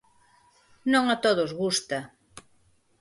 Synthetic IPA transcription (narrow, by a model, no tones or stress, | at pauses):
nõŋat̪oðozɣust̪a